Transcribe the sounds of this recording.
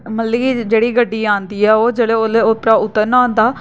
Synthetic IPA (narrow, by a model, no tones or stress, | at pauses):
məliːd͡ʒeːɽiːɡəɖːiːãːnd̪iːɛːoːd͡ʒeːɽeːoleːoːpɾaːʊt̪ːənãːnd̪aː